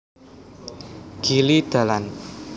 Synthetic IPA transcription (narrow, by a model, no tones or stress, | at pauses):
ɡ̥ilid̪̥a̤lan